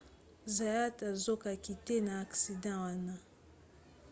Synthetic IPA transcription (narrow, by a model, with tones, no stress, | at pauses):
za˨ja˦ta˨zo˦ka˨ki˨te˦naː˨ksi˨dã˦wa˦na˨